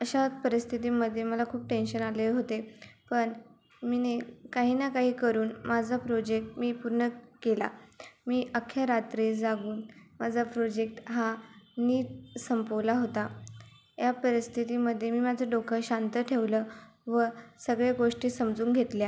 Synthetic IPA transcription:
əɕapəɾist̪ʰit̪iːməd̪ʱːjeməlakʰuːp̚ʈenɕənaleɦot̪epəɳ | minekaɦiːnakaɦiːkəɾuːnmad͡zʱapɾod͡ʑek̚ʈmiːpuɾɳəkela̰miːʔəkʰːjaɾat̪ɾid͡zaɡuːnmad͡zʱapɾod͡ʑek̚ʈɦaniːsəmpoʋlaɦot̪a | japəɾist̪ʰit̪iməd̪ʱːjemiːmad͡zʱəɖokʰəɕant̪əʈʰeʋlə | ʋəsəɡɭeɡoʂʈiːsəmd͡zuːŋkɡʱet̪lja

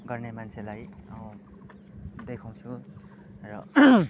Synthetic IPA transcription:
ɡʌrnemant͡sʰelajʌ | d̪ekʰaw̃t͡sʰu | rʌ

